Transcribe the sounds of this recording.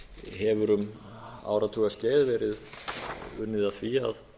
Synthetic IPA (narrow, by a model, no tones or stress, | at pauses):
ɦɛvʏɾʏm | a̰ːwɾat̪ʰuːɣascɛːjðvɛːɾɪð | ʏnːɪðaθviːa̰ð